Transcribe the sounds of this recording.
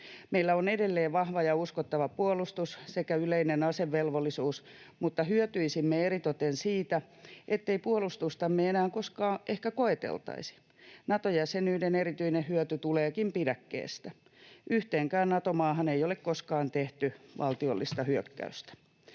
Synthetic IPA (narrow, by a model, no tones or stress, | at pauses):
meilːæonedelːeːʋʋɑhʋɑjɑuskot̪ːɑʋɑpuolust̪ussekæyleinenɑseʋːelʋolːisuːsmut̪ːɑhyøt̪yisimːeerit̪ot̪ensiːt̪æ | ʔet̪ːeipuolust̪ust̪ɑmːeenæːŋkoskɑːʔehkækoet̪ḛlt̪ɑ̰isi̥ | nɑt̪ojæsenyideneɾit̪yinehyøt̪yt̪uleːkimpidækːḛːst̪æ | yht̪eːŋkæːnnɑt̪omɑːɦɑneijolekkoskɑːnt̪eht̪yʋʔɑlt̪iolːist̪ɑhyøkːæ̰yst̪æ̥